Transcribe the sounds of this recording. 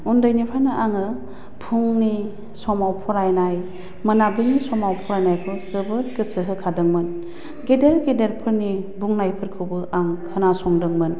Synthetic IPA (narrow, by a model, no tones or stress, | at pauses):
undɯjnipʰaɾnɯʔaŋɯ | pʰuŋni | sɔmawpʰɔɾajnaj | mɯnabɯŋnisɔmawpʰɔɾajnajpʰɯsɯbɯɾkɯsɯɦɯkʰadɯŋmɯn | ɡedeɾɡedeɾpʰɯɾnibuŋnajpʰɯɾkʰɯwbɯʔaŋkʰɯnasɔŋdɯŋmɯn